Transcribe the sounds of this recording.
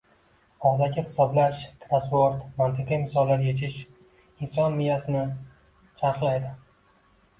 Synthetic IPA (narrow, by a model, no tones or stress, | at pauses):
ɒzaɡʲɪhɪ̥sɒblaʃt̪ʰɾaspoɾt̪mant̪ʰɨqimɪsɒlˠːaɾje̞t͡ʃʰɪʃ | ɪnsɒnmɪjasɪnɪ | t͡ʃʰaɾqlˠajd̪ɪ